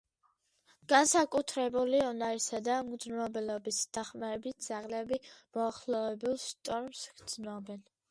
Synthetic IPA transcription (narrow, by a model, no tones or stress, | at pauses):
ɡ̥ansakʼut̪ʰɾɛbuliɔnaɾisad̪amɡd̪znɾɔbɛlɔbisd̪̥aχmaɾɛbit̪̚ʰd̪z̥aʁlɛbimɔaχlɔvɛbulˠst̪ʼɔɾmsɡ̥d̪z̥nɔbɛn